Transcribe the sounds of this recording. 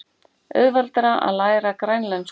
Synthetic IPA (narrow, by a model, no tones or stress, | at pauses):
œ̰ðvalt̪ɾaʔa̰ðlaːjɾakɾajnlɛns